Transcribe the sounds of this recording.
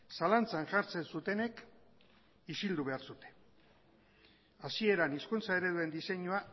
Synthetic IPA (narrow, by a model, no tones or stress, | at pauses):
salant͡sanʝaɾt͡se̞nsut̪e̞ne̞k | isild̪uβe̞aɾsut̪e̞̥ | asie̞ɾaniskunt͡sae̞ɾe̞ðue̞nd̪ise̞ɲua